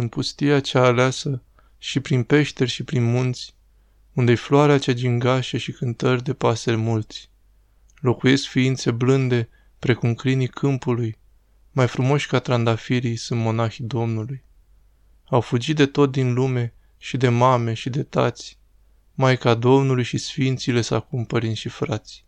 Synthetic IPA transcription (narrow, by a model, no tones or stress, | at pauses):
ɨnpust̪iat͡ʃaːleasə | ʃipɾinpe̞ʃt̪e̞rʲʃipɾinmunt̪sʲ | und̪efloaɾeat͡ʃad͡ʒiŋɡaʃe̞ʃikɨnt̪ərʲd̪e̞paselemult̪sʲ | lo̞kuje̞skfiint̪se̞blɨnd̪e̞ | pɾe̞kumkɾinikʰɨmpuluj | majfɾumo̞ʃʲkat̪ɾand̪afiɾijsɨnd̪mo̞naxid̪o̞mnuluj | awfud͡ʒit̪̚d̪e̞t̪o̞t̪̚d̪inlume̞ | ʃid̪e̞mame̞ʃid̪e̞t̪a̰t̪sʲ | majkad̪o̞mnulujʃisfint̪sile̞sakumpəɾinsʲʃifɾat̪sʲ